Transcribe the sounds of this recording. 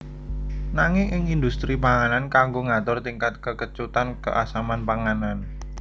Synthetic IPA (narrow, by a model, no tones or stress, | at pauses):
naŋɪŋʔɪŋind̪ust̪ɾipaŋanankaŋɡoŋat̪ʊrt̪iŋkat̪̚kəkət͡ʃut̪ankə̰ʔasamanpaŋanan